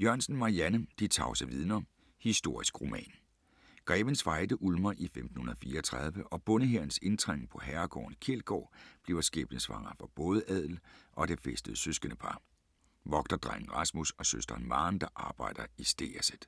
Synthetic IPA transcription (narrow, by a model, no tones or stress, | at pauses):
jɶɐ̰nsn̩mɑ̈iænəd̥it͡sʰɑ̈ʊsæʋiðˠnɐ | hisd̥o̝ɐ̰isɡ̥ʁo̝mɛ̰ːn | ɡ̥ʁɛːʋensʋɑ̈ɪd̥əʔulmɐʔifemd̥n̩hunɐðˠfiːɐɒt͡sʰʁɑ̈ð̞ˠʋəʔɒ̽b̥ɔ̽nəɦeɐn̩se̝nd̥ʁeŋ̰pʰɒ̽ɦæɐɡ̥ɒ̰ːnkʰelɡ̥ɒ̰ːb̥le̝ʊɐsɡ̥ḛːb̥nəsʋɑ̈ŋ̰ɐfɒ̽b̥ɔ̽ːðˠəʔɛð̞̰ˠl̩ʔɒ̽d̥efesd̥əð̩ˠsøsɡ̥ənəpʰɑ̈ː | ʋɒ̽ɡ̥̚d̥ɐd̥ʁɑn̩ʁɑsmusɒ̽søsd̥ɐnmɑ̈ːnd̥ɑ̈ʔɑ̈ːb̥ɑ̈ɪ̰d̥ɐisd̥e̝̰ːæsəd̥